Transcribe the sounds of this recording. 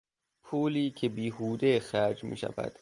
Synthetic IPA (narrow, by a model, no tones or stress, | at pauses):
pʰuːliːcʰebiːhuːd̪exæɾd͡ʒmḭːʃæ̰væ̰d̪̥